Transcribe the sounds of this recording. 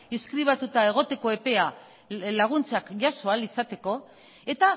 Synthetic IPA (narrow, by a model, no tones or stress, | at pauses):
iskɾiβ̞at̪ut̪ae̞ɣ̞o̞t̪e̞ko̞e̞pe̞a | laɣ̞unt͡sakʝaso̞alisat̪e̞ko̞ | e̞t̪a